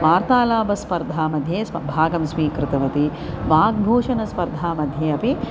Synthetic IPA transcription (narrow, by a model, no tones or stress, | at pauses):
ʋaːɾt̪aːlaːbɐspɐɾd̪ʱaːmɐd̪ʱjeːsɐbʱaːɡɐmsmiːkɾɪt̪ɐʋɐt̪i | ʋaːɡ̚bʱoːʂɐnɐspɐɾd̪ʱaːmɐd̪ʱjeːɐpi